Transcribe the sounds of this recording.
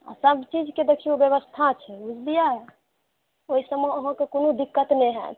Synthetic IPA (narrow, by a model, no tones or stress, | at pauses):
a̰səbt͡ʃid͡ʒked̪ekʰijobjəβəst̪ʰat͡ʃʰɛbud͡ʒd̪ijaɛ | oisəmeəɦə̃kekonod̪ikːət̪nɛɦɛ